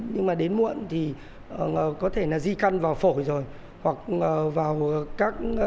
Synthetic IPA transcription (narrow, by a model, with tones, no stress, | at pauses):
ɲɨ˧ŋmaː˨˩ɗe˨˦nmṵ˧˨ə˨nt̪ʰi˨˩ | ʔəː˨˩kɔ˨˦t̪ʰe˧˩naː˨˩zi˧ka˧nvaː˨˩wfo˧˩jzo˨˩j | hwa˨˩k̚əː˨˩vaː˨˩wkaː˦˥k̚